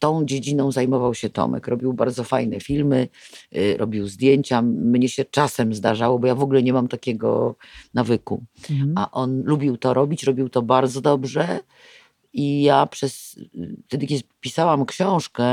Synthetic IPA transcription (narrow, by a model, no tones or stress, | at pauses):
t̪ɔ̃w̃d͡ʑed͡ʑinɔ̃w̃zajmɔvawɕɛt̪ɔ̰mɛ̰kɾɔbʲiwbaɾd̪zɔfajnɛfʲilmɘ | ɾʔɔ̰bʲiwzd̪ʲjeɲt͡ɕamɲɛɕɛt͡ʂasɛmzd̪aʐawɔbɔjavɔɡulɛɲɛmamt̪akʲɛɡɔ̰navɘkuaʔɔnlubʲiwt̪ɔɾɔbʲit͡ɕɾɔbʲiwt̪ɔbaɾd̪zɔd̪ɔbʐɛ | ijapʂɛsft̪ɛd̪ɘkʲɛd̪pʲisawamkɕɔ̃w̃ʂkɛ